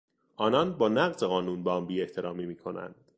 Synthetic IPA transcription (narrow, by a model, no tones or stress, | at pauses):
ʔɒːnɒnbɒːnæɣze̞ɣɒːnuːnbɒmbiːe̞ht̪ʰe̞ɾɒːmiːmiːkʰo̞næ̰nd̪̥